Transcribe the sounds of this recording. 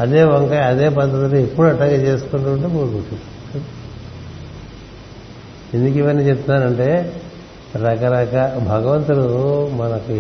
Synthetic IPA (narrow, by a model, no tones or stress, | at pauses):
ɐd̪e̞ːʋɐŋkɐjɐd̪eːp̬ɐd̪ːɐt̪uluepːuɽuɐʈlaːɡat͡ʃe̞ːsu̥kuɳʈuɳʈumuːkuʈːis | end̪ukiʋɐnːit͡ʃep̚t̪unaːɾɐɳʈe̞ː | ɾɐkɐɾɐkɐbʱɐɡɐʋɐnt̪ulumɐnɐku